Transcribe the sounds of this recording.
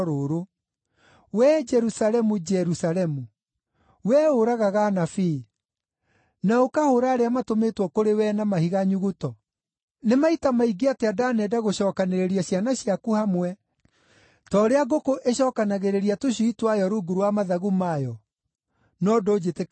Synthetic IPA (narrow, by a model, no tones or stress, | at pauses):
ɾoɾo | wɛd͡ʒɛɾusalɛmud͡ʒɛɾusalɛmu | wɛoɾaɣaɣanafi | naokahoɾaːɾeamatometwɔkoɾewɛnamahiɣaɲuɣutɔ | nemaitamaiɡeateadanɛdaɣoɕɔːkaneɾeɾiaɕjanaɕjakuhamwɛ | tɔɾeaɡokoʔeɕɔːkanaɣeɾeɾiatoɕuitwajɔɾoɡuɾwamaðaɣumajɔ | nɔdoːd͡ʒete